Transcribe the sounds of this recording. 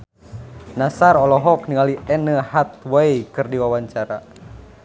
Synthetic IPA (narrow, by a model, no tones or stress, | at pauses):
nasaɾɔlɔɦɔkniŋaliɛnəhat̪̚wajkɨrdiwawaɲt͡ʃaɾa